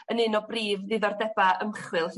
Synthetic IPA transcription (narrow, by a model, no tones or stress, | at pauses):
ənɨnɔbriːvðɨðɔrdɛbaʔəmχwɨlˠh